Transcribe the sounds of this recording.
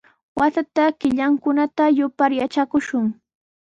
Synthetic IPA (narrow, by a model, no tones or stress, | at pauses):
wasat̪akɪʎaŋkʊnat̪ajʊpaɾjat͡ʃakʊʃʊŋ